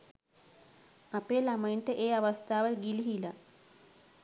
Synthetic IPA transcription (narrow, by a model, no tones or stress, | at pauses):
ɐpeːlɐmɐjinʈəʔeːaʋɐst̪ʰaːʋɐɡiliɦilɐ